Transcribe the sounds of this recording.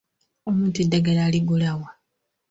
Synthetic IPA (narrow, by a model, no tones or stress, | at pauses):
omuːntuidːaɡelaliɡulawa